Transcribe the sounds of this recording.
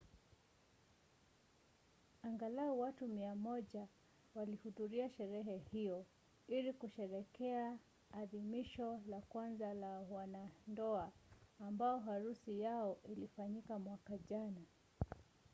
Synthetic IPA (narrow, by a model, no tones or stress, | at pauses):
aŋɡalauwatumiamɔʄa | walihuðuɾiaʃɛɾɛɦɛhijɔ | ilikuʃɛɾɛkɛaː | ðimiʃɔlakwanzalawanandɔaːmbaɔɦaɾusijaɔʔilifaɲikamwakaʄana